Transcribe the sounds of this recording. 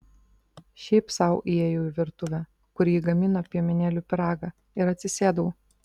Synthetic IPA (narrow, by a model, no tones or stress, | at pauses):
ʃʲɛɪpsɑˑʊʔiɛjoʊɪʋʲɪɾt̪ʊʋʲɛ | kʊɾʲiːɡɐmʲɪnopʲiɛmʲɛnʲeːlʲupʲɪɾɑːɡɑ | ɪɾɐt̪ʲsʲɪsʲeːd̪ɐʊ